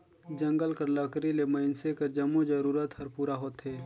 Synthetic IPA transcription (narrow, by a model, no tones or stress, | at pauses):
d͡ʒɐ̃ŋɡəlkəɾləkɾilemɐɪnsekəɾd͡ʒɐmːod͡ʒəɾuːɾət̪hɐɾpuːɾaɦoːt̪ɦeː